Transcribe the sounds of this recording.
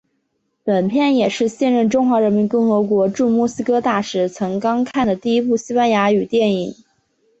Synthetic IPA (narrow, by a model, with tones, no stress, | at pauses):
pə˨˩npʰjɛ˥˩njɛ˨˩ʂɻ̩˥˧ɕjɛ˥˧nɻə˥˩nʈ͡ʂʊ˥ŋxwa˧˥ɻə˧˥nmi˧˥nkʊ˥˩ŋxɤ˧˥kwɔ˧˥ʈ͡ʂu˥˧mu˥˩sɹ̩˥kɤ˥t̪a˥˩ʂɻ̩˧˩t͡sʰɤ˧˥ŋkɑ˥ŋkʰa˥˩nd̪ə˩t̪i˥˩i˥pu˥˩ɕi˥pa˥nja˧˥y˨˩t̪jɛ˥˩ni˨˩˦